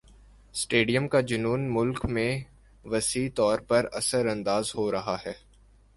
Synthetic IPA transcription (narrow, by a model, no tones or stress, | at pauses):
sʈeːɖijəmkad͡ʒʊnuːnmʊlkmẽ | ʋɐsiːt̪ɔːɾpɐɾɐ̰səɾɐ̃nd̪aːzhoɾɐɦaɦɛː